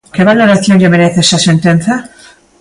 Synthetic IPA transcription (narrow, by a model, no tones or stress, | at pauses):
keβaloɾaθjonʎameɾeθesasent̪enθa